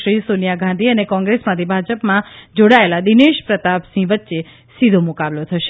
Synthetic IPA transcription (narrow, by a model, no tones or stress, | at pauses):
ʃɾisonijaɡʱãnd̪ʱiənekɔ̃ŋɡɾesmãt̪ʰibʱad͡ʒəpmãd͡ʒoɽaelad̪ineʃpɾət̪apsĩʋətːʃe | sid̪ʱomukablot̪ʰəʃe